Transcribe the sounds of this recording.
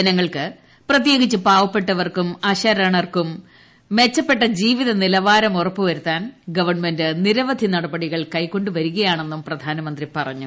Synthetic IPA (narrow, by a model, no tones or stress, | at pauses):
ɐnɐŋːɐɭkɨ | prɐt̪̬je̞ːɣit͡ɕːɨpaːʋɐpːe̞ʈːɐʋɐrkumɐɕɐɾɐɳɐrkumː | e̞t͡ɕːɐpːe̞ʈːɐd͡ʑiːʋiðɐnilɐʋaːɾɐmurɐpːɨʋɐɾut̪ːaːnɡɐʋɐrɳme̞ndɨniɾɐʋɐd̪ʱinɐɽɐbɐɽiɣɐɭkɐjkːo̞ɳɖuʋɐɾuɣɐjaːɳe̞nːumprɐd̪ʱaːnɐmɐnd̪ripɐrɐ̰ɲːu